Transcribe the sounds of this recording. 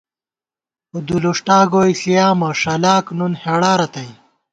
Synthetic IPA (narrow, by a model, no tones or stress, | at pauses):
ud̪uluʂʈaːɡoːjɬijaːmɐʂɐlaːknunheɽaːɾɐt̪ɐj